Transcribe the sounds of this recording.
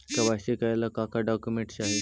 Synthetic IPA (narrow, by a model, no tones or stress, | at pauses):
kaʋasekajlakakaɖɔkjumeɳʈɕaɦe